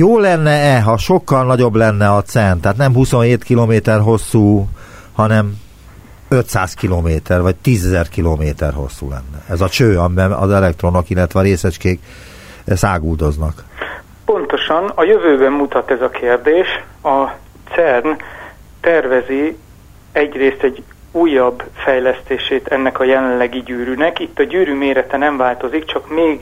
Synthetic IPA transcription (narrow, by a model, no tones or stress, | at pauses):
joːlɛnːɛɛɦɒʃo̞kːɒlnɒɟo̞blɛnːɛɒt̪sɛnt̪aɦːt̪nɛmɦusonɦeːt̪kiloːmeːt̪ɛrɦo̞sːuː | hɒnɛm | øt̪saːskiloːmeːt̪ɛrvɒc̚t̪iːzɛzɛrkiloːmeːt̪ɛ̰rɦo̞̰sːṵːlɛ̰nːɛɛzɒt͡ʃøːɒmibɛnɒ̰zɛlɛkt̪ro̞no̞kilːɛt̪ʋɛɒɾeːsɛt͡ʃkeːk | saːɡuːld̪o̞znɒk | po̞nt̪o̞ʃɒnɒjøvøːbɛmːut̪ɒt̪ɛzɒkʰeːrd̪eːʃ | ɒ | t̪sɛrn | t̪ɛrvɛzi | ɛɟreːst̪ɛɟː | uːjːɒbfɛjlɛst̪eːʃeːt̪ɛnːɛkɒjɛlɛllɛɡiɟyːɾynɛkit̪ːɒɟyːɾyːmeːɾɛt̪ɛnɛɱvaːlt̪o̞zikt͡ʃɒkmeːɡ